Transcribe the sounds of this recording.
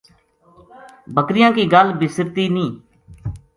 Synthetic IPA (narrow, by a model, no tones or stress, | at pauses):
bəkɾɪjãːkiːɡəlbɪsəɾt̪iːnĩː